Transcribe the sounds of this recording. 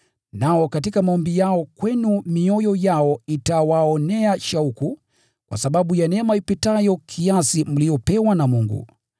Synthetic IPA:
naɔkatikamaɔmbijaɔkwɛnumiɔjɔjaɔitawaɔnɛaʃauku | kwa̰saɓaɓujanɛmaipitajɔkʰiasim̩liɔpɛwanamuŋɡṵ

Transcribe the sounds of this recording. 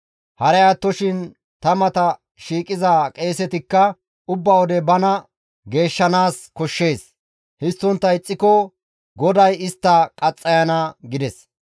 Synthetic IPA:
hɐɾɛjaːt̪ːɔʃɪn | t̪ɐmɐt̪ɐ | ʃiːkʼɪzaːkʼe̞ːsɛt̪ɪkːɐ | ʊbːɐwɔd̪ɛbɐnɐ | ɡe̞ːʃːɐnaːskɔʃːe̞ːs | hɪst̪ːɔnt̪ːɐjɪt͡sʼːɪkɔ | ɡɔd̪ɐjɪst̪ːɐkʼɐt͡sʼːɐjɐnɐɡɪd̪ɛs

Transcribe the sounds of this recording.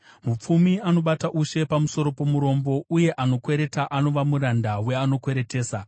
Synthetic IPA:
mup͡fumiano̞ɓataʔuʃe̞pamuso̞ɾo̞po̞muɾo̞mbo̞ʔuje̞ʔano̞kwe̞ɾe̞taʔano̞ʋamuɾandawe̞ano̞kwe̞ɾe̞te̞ːsa

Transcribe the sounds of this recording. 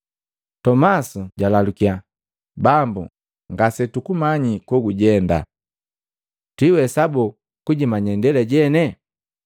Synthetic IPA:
tɔmasuɟalalukia | bambu | ŋɡasɛtukumaɲikɔɡuɟɛnda̰ | twiwɛsabɔ | kuɟimaɲɛndɛlɛɟɛnɛ

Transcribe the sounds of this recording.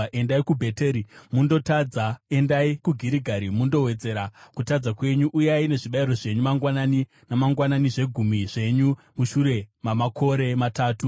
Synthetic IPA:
ʔe̞ndaikubʱe̞teːɾimundo̞tad͡zae̞ndaikuɡʱiɾiɡʱaɾimundo̞we̞d͡ze̞ɾakutad͡zakwe̞ɲuʔujaine̞ʐiɓairo̞ʐe̞ɲumaŋɡwanani | namaŋɡwananiʐe̞ɡʱumiʐe̞ɲu | muʃuɾe̞mamakʰo̞ɾe̞mataːtu

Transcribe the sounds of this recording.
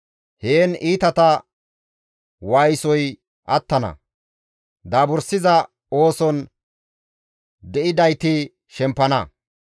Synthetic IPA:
heːniːt̪ɐt̪ɐ | waːjsɔj | ʔɐt̪ːɐnɐ̰ | d̪aːbʊɾsɪzɐ | o̞ːsɔn | d̪ɛʔɪd̪ɐjt̪ɪ | ʃɛmpːɐnɐ

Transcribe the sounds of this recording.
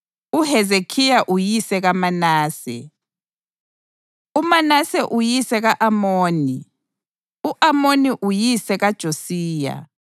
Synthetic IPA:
uhɛzekʰijaʔujisɛɣamanaːsɛ̰ | umanasɛʔujisɛɣaʔamoːni | uʔamoniʔujisɛɣad̥ʒ̥ʱosiːja̰

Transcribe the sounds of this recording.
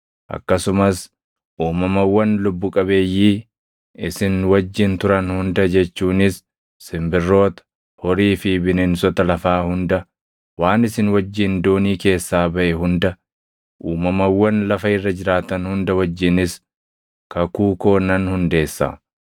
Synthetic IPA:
ʔɐ̰kːɐsʊmɐs | ʔuːmɐmɐwːɐnlʊbːʊkʼɐbe̞ːjːiː | ɪsɪnwɐd͡ʒːɪnt̪ʊɾɐnhʊnd̪ɐd͡ʒɛt͡ʃːuːnɪsː | ɪmbɪrːo̞ːt̪ɐ̥ | hɔɾiːfɪbɪnɪnsɔt̪ɐlɐfaːhʊnd̪ɐ | waːnɪsɪnwɐd͡ʒːɪnd̪oːniːke̞ːsːaːbɐʔɛɦʊnd̪ɐ | ʔuːmɐmɐwːɐnlɐfɐɪrːɐd͡ʒɪɾaːt̪ɐnhʊnd̪ɐwɐd͡ʒːɪnɪs | kɐkuːko̞ːnɐnhʊnd̪e̞ːsːa̰

